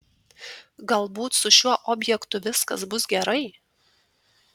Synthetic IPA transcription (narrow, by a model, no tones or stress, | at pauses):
ɡɐlˠbuːt̪sʊʃʲuɔʔɔːbʲjɛkt̪ʊʋʲɪskɐsbʊsɡʲɛɾɐɪ